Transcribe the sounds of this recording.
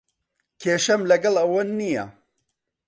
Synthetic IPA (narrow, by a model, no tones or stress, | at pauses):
kʰeːʃɐmlɐɡɐlˠɐwɐnnːijɐ̰